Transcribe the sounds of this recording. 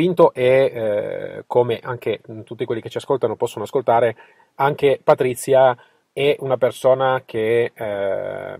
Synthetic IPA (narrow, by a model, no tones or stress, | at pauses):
int̪oʔe | kʰomeʔaŋk̟et̪ut̪ːikwelːike̥t͡ʃːiaskolt̪anopɔsːonoaskolt̪aːɾe | aŋk̟epat̪ɾit̪sːja | ɛunapersoːnak̟e